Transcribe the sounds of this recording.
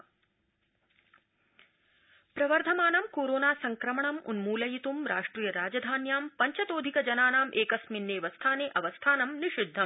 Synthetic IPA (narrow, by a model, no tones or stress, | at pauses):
pɾɐʋɐɾd̪ʱɐmaːnɐmkoːɾoːnaːsɐŋkɾɐmɐɳɐmṵnmuːlɐjit̪umɾʔaːʂʈɾiːjɐɾaːd͡ʒɐd̪ʱaːnjaːmpɐɲt͡ʃɐt̪oːd̪ʱikɐd͡ʒɐnaːnaːmʔeːkɐsminːeːʋɐst̪ʰaːneːʔɐʋɐst̪ʰaːnɐmniʃid̪ʱːɐm